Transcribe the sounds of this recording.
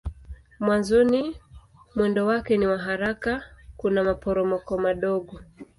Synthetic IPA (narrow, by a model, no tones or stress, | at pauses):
mwanzɔni | mwɛndɔwakɛniwaɦaɾakakunamapɔɾɔmɔkɔmaɗɔɠɔ